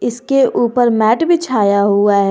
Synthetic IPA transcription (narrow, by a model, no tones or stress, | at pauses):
ɪskeʔuːpəɾmɛːʈbʱit͡ʃʰaːjaɦuaɦɛ